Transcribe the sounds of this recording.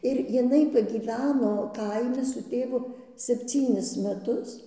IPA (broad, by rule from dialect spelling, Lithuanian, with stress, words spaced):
ɪr jɪˈnɐɪ pɐɡʲiːˈʋʲæːnoː ˈkɐɪmʲɪ sʊ ˈtʲeːʋʊ sʲɛpʲˈt͡sʲiːnʲɪs mʲɛˈtʊs